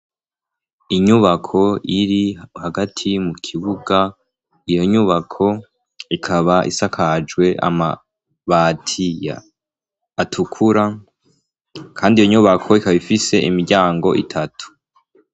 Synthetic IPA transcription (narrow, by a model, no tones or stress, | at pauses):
iɲuβakʰo̞iɾihaɡatʰimukʰiβuɡa | ijo̞ɲuβakʰo̞ | ikʰaβaʔḭsakʰad͡ʒɡwe̞ʔa̰ma̰ | βatʰija̰ː | tʰukʰuɾa | kʰaːndijoɲuβakʰo̞ikaβaβifise̞ʔimiɾɟaːŋɡo̞ʔitʰatu̥